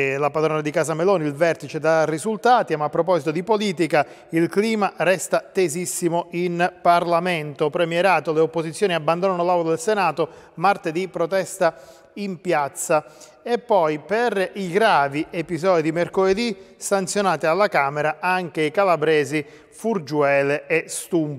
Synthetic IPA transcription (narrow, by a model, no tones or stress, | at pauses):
lapad̪ɾoːnad̪ikaːzameloːniilvɛrt̪it͡ʃed̪arːizult̪aːt̪imaːpːɾopɔzit̪od̪ipoliːt̪ika | ilkliːmarɛst̪at̪ezisːimoinparlament̪opɾemjɛɾaːt̪oleopːozit̪sːjoːniabːand̪onanolawlod̪elsenaːt̪o | mart̪ed̪ipɾot̪ɛst̪a | impjat̪sːa | epːɔjperiɡɾaːviepizɔːd̪id̪imerkoled̪isant̪sjonaːt̪ialːakaːmeɾaʔaŋk̟eikalabɾɛːzi | furd͡ʒuɛːleɛst̪um